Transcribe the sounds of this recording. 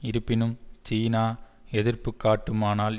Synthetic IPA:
ɪɾɯpːɪnɯmt͡ʃiːnaː | ɛðɪrpːɯkːaːʈːɯmaːnaːl

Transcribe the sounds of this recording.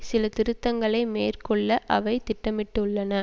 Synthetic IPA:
sɪlɐt̪ɪɾɯt̪ːɐŋɡɐɭɐɪmeːrkɔɭːɐʔɐʋɐɪt̪ɪʈːɐmɪʈːɯʊɭːɐnɐ

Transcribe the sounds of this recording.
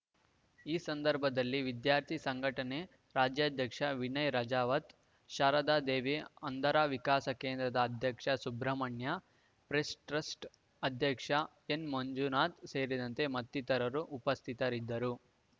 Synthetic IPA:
iːsɐnd̪ɐɾbʱɐd̪ɐlːiʋid̪jaːɾt̪ʰisɐŋɡʱɐʈɐne̞ | ɾaːd͡ʒjɐd̪ʱjɐkʂɐʋinɐjɾɐd͡ʒaːʋɐt̪ | ʃaːɾɐd̪aːd̪eːʋeɐnd̪ʱɐɾaːʋikaːsɐkeːnd̪ɾɐd̪ɐːd̪ʱjɐkʂɐsubɾɐmɐɳjɐ | pɾesʈɾɐsʈ | ɐd̪ʱjɐkʂɐ | enmɐɲd͡ʒunaːt̪seːɾid̪ɐnt̪e̞mɐt̪ːit̪ɐɾɐɾuʔːpɐst̪ʰit̪ɐɾid̪ːɐɾu

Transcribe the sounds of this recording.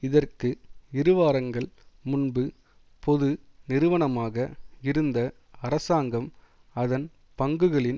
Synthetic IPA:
ɪðɐrkɯɪɾɯʋaːɾɐŋɡɐɭmʊnbɯ | pʰɔðɯnɪɾɯʋɐɳɐmaːɣɐɪɾɯnd̪ɐ | ɐɾɐsaːŋɡɐm | ɐðɐn | pɐŋɡɯɣɐɭɪn

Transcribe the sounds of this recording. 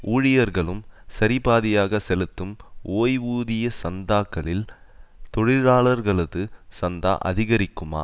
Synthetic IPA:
ʔuːɻɪjɐɾɣɐɭɯmsɐɾɪbaːðɪjaːɣɐsɛlɯt̪ːɯmoːjʋuːðɪjɐsɐnd̪aːkːɐɭɪl | t̪ɔɻɪɻaːɭɐɾɣɐɭɐðɯsɐnd̪a̰ːʔɐ̰ðɪɣɐɾɪkːɯma̰ː

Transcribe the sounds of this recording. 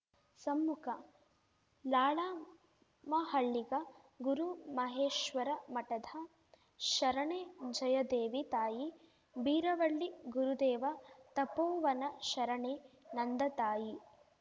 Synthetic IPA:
sɐmːukʰɐ | laːɭaː | mɐɦɐɭːiɡɐ | ɡuɾumɐɦeːʃʋɐɾɐmɐʈɐd̪ʱɐ | ʃɐɾɐɳeːd͡ʒɐjɐd̪eːʋit̪aːji | biːɾɐʋɐɭːiɡuɾud̪eːʋɐt̪ɐpoːʋɐnɐʃɐɾɐɳenɐnd̪ɐt̪aːji

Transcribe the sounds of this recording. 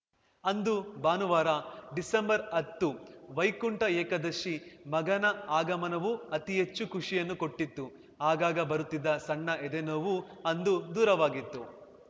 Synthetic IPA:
ɐnd̪ubaːnuʋaːɾɐɖisɐmbɐɾɐt̪ːuʋɐjkuɳʈɐɛːkɐd̪ɐʃimɐɡɐnɐaːɡɐmɐnɐʋuɐt̪iɦet͡ʃːukuʂijɐnːuko̞ʈːit̪ːu | aːɡaːɡɐbɐɾut̪ːid̪ːɐsɐɳːɐed̪enoːʋuɐnd̪ud̪uːɾɐʋaːɡit̪ːu

